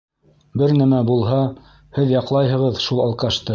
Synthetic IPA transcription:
bɘɾnæmæbulˠɦɑ | hɘðjɑqlˠɑjɦɤ̆ʁɤðʃulˠɑlˠqɑʃt̪ɤ

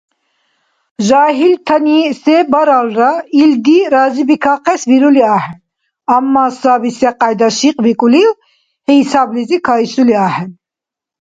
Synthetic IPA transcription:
ʒaːɦilt̪ʰɐnisɛbɐɾalɾaild̪iɾazibikʰɑːqɛsbiɾuliɑːhɛn | ɐmːɑːsɑːbisɛqɑjd̪ɑʃiqbikʼuliw | hɛsaːblizikʰɑːisuliɑːhɛn

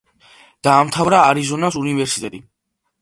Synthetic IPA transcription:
d̪̥aːmt̪ʰavɾaːɾizɔnasunivɛɾsi̥t̪ʼɛt̪ʼi

